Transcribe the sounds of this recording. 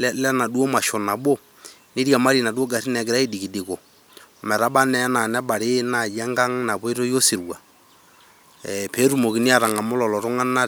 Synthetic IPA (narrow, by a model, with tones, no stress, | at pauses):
lɛ˦lɛ˦na˨du˦o˦ma˨ʃɔ˨na˨bo˦ | ni˦ɾja˨ma˦ɾi˨na˨du˦o˦ɡa˨sɪ˦nɛ˨ɡɪ˨ɾa˦i˦di˨ki˨dɪ˨ko˨ | mɛ˨ɾa˦ɓa˦nɛ˨˦na˨nɛ˦ɓa˨ɾɪ˦na˨jɛ˦ŋɡa˦ŋna˨po˦i˦ɾo˦jo˦si˨ɾwa̰˨ | ɛ˨pe˨˦ɾu˦˨mo˨ki˨nɪ˦a˨ɾa˨ŋa˨mʊ˦lɔ˨lɔ˨ɾʊ˦ŋa˦na˦